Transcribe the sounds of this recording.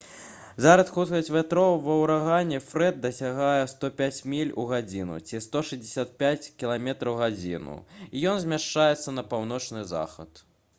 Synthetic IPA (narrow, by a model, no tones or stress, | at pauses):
zaɾɐsxut̪kɐsʲtʲvʲɛt̪ɾɔwvɐwɾaɣanʲːɛfɾɛd̪̚d̪ɐsʲaɣajɛst̪ɔpʲat͡sʲmʲilʲuɣad͡zʲinṵt͡sʲist̪ɔʂɨzʲdʲɪsʲat̪̚pʲat͡sʲkʲilˠamʲɛt̪ɾɐwɣad͡zʲḭnṵijɔnzʲmʲaʂt͡ʂajɛt̪sːɐnɐpawn̪ɔt͡ʂnɨza̰xɐ̰t̪